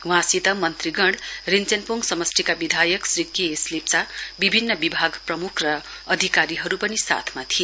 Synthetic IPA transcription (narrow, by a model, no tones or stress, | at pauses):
wãsit̪ʌmʌnt̪riɡʌɽrint͡senpuŋɡsʌmʌst̪ʰikabid̪ʱajʌksrikieslip̚t͡sabibʱinːʌbibʱaɡprʌmukʰrʌː | d̪ʱikaɾiɦʌɾupʌnisa̰t̪ʰmat̪ʰie